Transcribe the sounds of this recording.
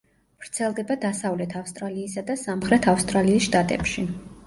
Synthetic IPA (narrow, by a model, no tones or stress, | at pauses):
v̥ɾt̪sʰɛlˠd̪ɛbad̪asavlɛt̪ʰafst̪ʼɾaliːsad̪asamχɾɛt̪ʰafst̪ʼɾaliːsʃt̪ʼat̪ʼɛ̰pʃi